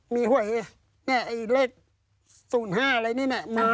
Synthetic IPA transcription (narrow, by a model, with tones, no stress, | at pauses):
miː˧ɦu˨˩˦j | ni˦˥˩ʔa˧jleː˥˩k̚ | suː˨˩˦nɦaː˥˩ʔa˧ɾa˧jniː˦˥˩nɛ˧˥˩ma˧n